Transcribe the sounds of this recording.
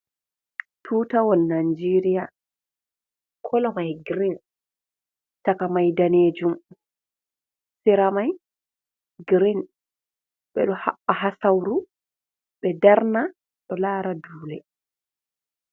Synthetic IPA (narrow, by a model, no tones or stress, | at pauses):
tʰuːtawɔnːand͡ʒiɾija | kʰɔlɔmajɡɾin | takamajdaneːd͡ʒum | sɛɾamaj | ɡɾin | ɓɛ̰ɗɔhaɓːaɦasawɾu | ɓɛdaɾna | ɗɔlaːɾaduːlɛ